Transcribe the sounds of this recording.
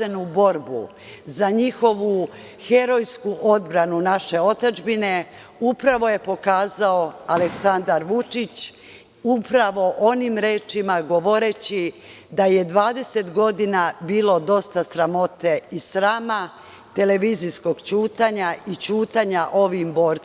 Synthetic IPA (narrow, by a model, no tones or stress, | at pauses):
senubo̞ɾbṵ | zaɲixo̞ʋu | xe̞ɾo̞jskuʔo̞d̪bɾanunaʃe̞o̞t̪ad͡ʒbine̞ | upɾaʋo̞je̞po̞kaːzaoale̞ksand̪aɾʋut͡ʃit͡ɕ | upɾaʋo̞ʔo̞nimɾe̞ːt͡ʃimaɡo̞ʋoɾe̞t͡ɕi | d̪aje̞d̪ʋaːd̪e̞se̞t̪ɡo̞d̪inabiːlo̞d̪o̞st̪asɾamo̞t̪e̞isɾaːma | t̪e̞le̞ʋizisko̞ɡt͡ɕuːt̪aɲait͡ɕuːt̪aɲaʔo̞ʋimbo̞ːɾ